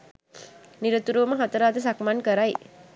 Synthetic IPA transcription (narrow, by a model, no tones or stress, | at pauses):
niɾət̪uɾuʋəməɦat̪əɾaːt̪əs̬akmankəɾaj